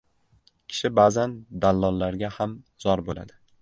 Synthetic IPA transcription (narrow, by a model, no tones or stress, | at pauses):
kʲʰɪ̥ʃɪbazand̪alˠːɒlːaɾɡʲahamz̥ɒɾbola̰d̪ɪ